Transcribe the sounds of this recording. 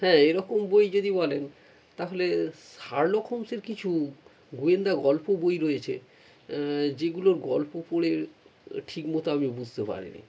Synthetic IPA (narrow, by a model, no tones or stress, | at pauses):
hɛ̃eɾɔkombojd͡ʑod̪ibɔlen | t̪aɦoleʃaɾlokʰomseɾkit͡ɕʰu | ɡuend̪aɡɔlpobojɾojet͡ɕʰḛ | d͡ʑeɡuloɾɡɔlpopoɽeʈʰikmot̪oamibud͡ʑʱt̪epa̰ɾḭnḭ